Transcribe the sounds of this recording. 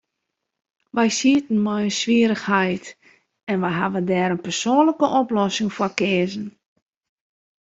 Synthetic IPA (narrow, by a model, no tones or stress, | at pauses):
ʋɛjsiətn̩mɔjənsʋiəɾəxhɛjt | ɛnʋɛjɦaʋədɛːɾənpɛrsoːnləkəʔɔplɔsɪŋfɔkɪːzən̩